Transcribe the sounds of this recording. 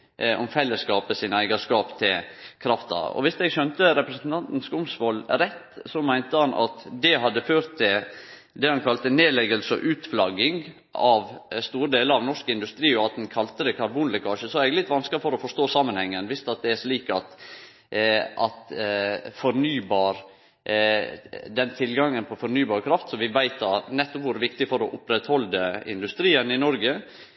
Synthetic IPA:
ʔɔmfɛlːəskɑːpəsiːnəæɪɡɑʂkɑːpt̪ʰɪlkʰɾɑft̪ɑ̰ɔ̰ʋɪsd̪ɛɡçœnt̪əɾɛpɾəsən̩t̪ʰɑnt̪n̩skʊmsʋɔlɾɛt̪ːsɔmæɪnt̪əhɑnʔɑ̰t̪d̪ɛɦɑd̪ːəføːɾt̪ʰːɪl | d̪ɛhɑnkʰɑlt̪əneːlɛɡəlsɔ̰ʔʉːt̪flɑɡɪŋ | ɑʋst̪uːɾəd̪eːləɾɑʋnɔʂkɪnd̪ʉst̪ɾiːɔɑt̪̚d̪ɛnkʰɑlt̪əd̪ɛkʰɑɾbuːnlɪkʰɑːʂəsɔæɾɛɡlɪt̪ʋɑnskəɾfɔɾɔfɔʂt̪oːsɑːmənhɛŋːənʋɪst̪ɑt̪̚d̪ɛæʂliːkɑt̪ | ɑt̪ | fɔɾnyːbɑːɾ | d̪ɛnt̪ʰɪlɡɑŋːənpʰɔfɔɾnyːbɑːɾkʰɾɑft̪sɔmʋɪʋæɪt̪ɑɾnɛt̪ːɔpʋʊɾʋɪkt̪ɪfɔɾɔʔʊpɾɛt̪hɔld̪əɪ̰nd̪ʉst̪ɾiːənɪnɔɾɡə

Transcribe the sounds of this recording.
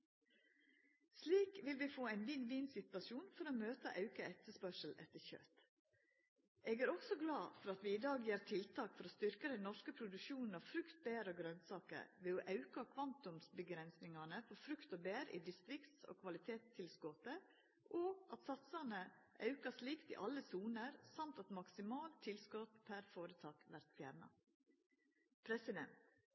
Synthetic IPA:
sliːkʋɪlʋiːfoːæɪnʋinʋiːnsɪt̪ʋɑsjuːnfɔɾoːmøːt̪əʔɑʉkəɛt̪ːəspœʂəl̩ʔɛ̰t̪ːəɾçø̰t̪ | ʔeːɡæːɾɔksɔɡlɑːfɔɾɑt̪ʋiːɪːd̪ɑːɡjiːɾt̪ʰɪlt̪ʰɑːkfɔɾoːst̪ʏɾkəd̪ɛnnːɔʂkəpʰɾʊd̪ʉʃuːnn̩ɑʋfɾʉkt̪̚beːɾəoːɡɾœnsɑːkə̰ɾʋeːoːʔɑʉkɑkʰʋɑnt̪ʊmsbəɡɾɛnsnɪŋɑnəfɔɾfɾʉkt̪oːbeːɾʔḭːd̪ɪst̪ɾɪkt̪so̰ːkʰʋɑlɪt̪ʰeːt̪st̪ʰɪlskoːt̪ə | ʔoːʔɑt̪sɑt̪sɑnəʔɑ̰ʉkɑsliːkt̪ḭːʔɑlːəsuːnəɾsɑmt̪ɑt̪mɑksɪmɑːlt̪ʰːɪlskot̪pʰæɾfoːɾət̪ʰɑːkʋæɾt̪fjæːɾɳɑ̰ | pʰɾɛsɪd̪ɛ̰nt̪

